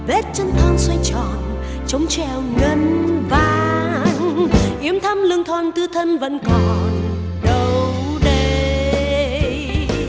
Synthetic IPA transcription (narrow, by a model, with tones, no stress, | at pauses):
ɓɛ˦˥t̚t͡ɕə˧nt̪ʰaː˧˩nswa˧jŋt͡ɕɔ˨˩˨n | t͡ɕə˨˦wŋ͡mt͡ɕɛ˧˩wŋə˧nvaː˨˩ŋʔi˨˦əmt̪ʰə˧mlɨ˧əŋt̪ʰwaː˨˩nt̪ɨ˧t̪ʰə˧nvə̰˧˥nkɔ˨˩n | ɗə˨wwɗe˧